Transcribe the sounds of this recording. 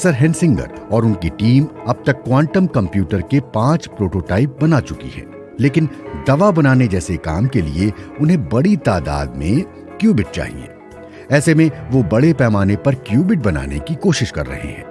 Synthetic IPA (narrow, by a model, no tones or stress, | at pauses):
sɐɾɦɛ̃nsɪ̃ŋɡə̰ɾ | ɔːɾʊnkiʈiːmɐb̚t̪ɐkːwãːɳʈəmkɐ̃mpjuːʈəɾkepãːt͡ʃpɾoːʈoːʈaːɪp̚bɐnat͡ʃʊkḭɦɛ̰̃ː | leːkɪnd̪ɐʋabɐnaːned͡ʒɛːsekaːmkelḭeʊnɦẽbɐɽit̪aːd̪a̰ːd̪mḛ̃ | kjuːbɪʈ̚t͡ʃa̰ːɦḭḛ̃ː | ɛːsemẽʋobɐɽepɛːmaːnepɐɾkjuːbɪʈ̚bɐna̰ːnḛkikoːʃɪʃkɐ̰ɾːɐ̰ɦḛɦɛ̰̃ː